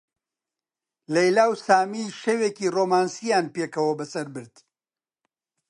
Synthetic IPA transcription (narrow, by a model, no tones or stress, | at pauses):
lɛjlaːwsaːmiːʃeweːciroːmaːnsijaːnpekɐwɐbɐsɐɾbɨɾd̪̥